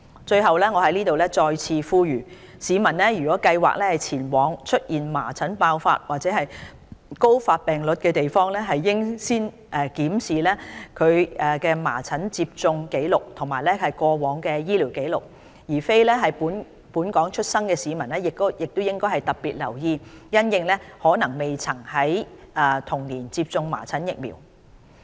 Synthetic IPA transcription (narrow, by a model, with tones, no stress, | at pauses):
t͡ʃɵ˧ɥhɐ˨wlɛː˥ŋɔː˨˧hɐ˨˥jniː˥t̪o˨wlɛː˥t͡ʃɔː˧jt͡sʰiː˧fuː˥jyː˨˩ | siː˨˧mɐ˨˩nlɛ˥jyː˨˩kɔː˨˥kɐ˧jwa̰ː˨˩k̚lɛː˥hɐ˨jt͡sʰiː˨˩nwɔː˨˥ŋt͡ʃʰɵ˥t̚jiː˨˩nma̰ː˨˩t͡sʰɐ˨˥npaː˧wfa̰ː˧t̚waː˨t̚t͡sɛː˨˥ɦɐ˨j | ko˥wfaː˧t̚pɛː˨ŋlɵ˨˥t̚kɛː˧t̪e˨jfɔː˥ŋlɛː˥ɦɐ˨jːɪ˥ŋsiː˥n | ʔɛː˨˧kiː˨˥msiː˨˩lɛː˥kʰɵ˨˧ɥɛː˨˧kɛː˧ma̰ː˨˩t͡sʰɐ˨˥nt͡siː˧p̚t͡sʊ˧ŋke˨˥jlʊ˨k̚t̪ʰʊ˨˩ŋmaː˨˩jlɛː˥hɐ˨jkʷɔː˧wɔː˨˧˥ŋkɛː˧jiː˥li˨˩wke˨˥jlʊ˨˩k̚ | jiː˨˩fe˥jlɛː˥ɦɐ˨jpuː˨˥n | puː˨˥nkɔː˨˥ŋt͡ʃʰɵ˥t̚sɐ˥ŋkɛː˧siː˨˧mɐ˨˩nlɛː˥jɪ˨k̚t̪o˥wjɪ˨k̚t̪o˥wjɪ˥ŋkɔː˥jhɐ˨jt̪ɐ˨˩p̚piː˨t̚lɐ̰˨˩wjiː˧jɐ˥njɪ˧ŋlɛː˥hɔː˨˥nɐ˨˩ŋme˨jt͡sʰɐ˨˩ŋhɐ˨˥jɛː˧˩t̪ʰʊ˨˩ŋniː˨˩nt͡siː˧p̚t͡sʊ˧ŋma̰ː˨˩t͡sʰɐ˨˥njɪ˨k̚mḭ˨˩w